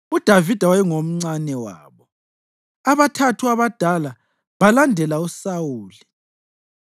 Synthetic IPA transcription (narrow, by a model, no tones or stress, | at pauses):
ud̥ʱavid̥ʱawajɛŋom̩ŋ͡ǀanɛwa̰ːβɔ | aβatʰatʰuaβad̥ʱala | βalandʱɛlausawuːli